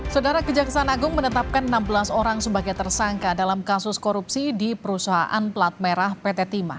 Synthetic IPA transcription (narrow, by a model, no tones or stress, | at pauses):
sawdaɾakəd͡ʒaksaanaɡʊŋmənət̪ap̚kanənambəlasoɾaŋsəbaɡajt̪ərsaŋkadalamkasʊskoɾupsidipəɾusaɦa̰ʔa̰nplat̪̚meɾahpet̪et̪ima̰